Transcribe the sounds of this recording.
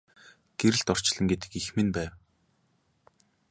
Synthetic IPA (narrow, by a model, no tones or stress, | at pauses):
ɡ̥eɾɘ̆ɮt̪ɔr̥t͡ɕɮə̆ŋɡet̪ɘ̥̆kixmĕnpæːw